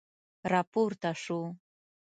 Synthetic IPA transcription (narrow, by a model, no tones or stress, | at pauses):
ɾapʊɾt̪aʂʊ